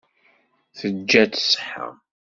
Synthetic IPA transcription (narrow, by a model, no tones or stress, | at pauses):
θəd͡ʒːæt͡ssħə̰